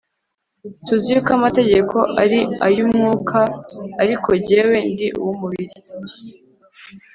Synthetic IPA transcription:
tuziukamate̞ɟe̞kʰo̞ʔaɾiajumŋuːkʰaːɾikʰo̞ɟe̞we̞ndiʔṵwumuβiɾi

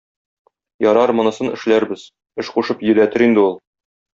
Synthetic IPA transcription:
jɒɾɑɾmŏnɤ̆sɤnɘ̆ʃlæɾbɘz̥ | ɘʃquʃɤpjɵ̆læt̪ɘɾind̪ɘulˠ

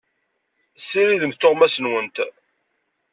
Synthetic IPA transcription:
sːiɾiðəmt̪ːoʁmæsənwənt̪

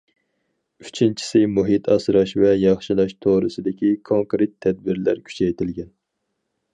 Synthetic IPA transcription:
yt͡ʃʰint͡ʃʰi̥sɪmuɦit̪ʰɑsɾɑʃvɛjɑχʃilˠɑʃt̪ʰoɾɨsɨd̪ɪkʲikʰoŋkɾet̪ʰːɛd̪̚bɪɾlæ̰ɾkʲʰy̥t͡ʃʰɛjt̪ʰɪlɡʲɛn

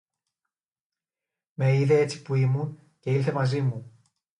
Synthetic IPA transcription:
me̞iðee̞t͡si̥puimun | ce̞ilθe̞mɐzimu

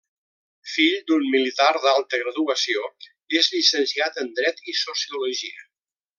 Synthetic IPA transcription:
fiʎd̪unmilit̪aɾðalˠt̪əɣɾəðuəsio | ezʎisənsiat̪ənd̪ɾɛt̪isusiuluʒiə

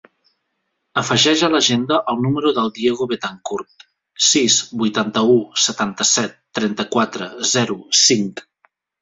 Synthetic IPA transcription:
əfəʒɛʒələʒend̪əʔəlˠnuməɾuðəlˠd̪ieɣuβet̪aŋkuɾt̪ | sizbujt̪ant̪əusət̪ant̪əsɛt̪ːɾɛnt̪əkwat̪ɾəzɛɾusiŋk

